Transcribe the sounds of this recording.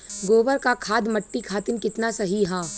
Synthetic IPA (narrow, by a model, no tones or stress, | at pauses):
ɡoːʋəɾkakʰaːd̪mɐʈːikʰaːt̪ɪnkɪt̪nasɐɦiɦaː